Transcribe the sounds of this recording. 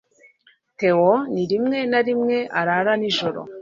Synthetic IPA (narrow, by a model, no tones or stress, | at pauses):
tɛwɔniɾimŋɛnaɾimŋɛʔa̰ɾaɾaniʒɔɾɔ̰